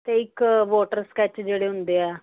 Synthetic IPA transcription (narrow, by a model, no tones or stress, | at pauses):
t̪eːɪkʋoːʈəɾskɛːt͡ʃd͡ʒeːɽeːɦʊ̃nd̪eːɛː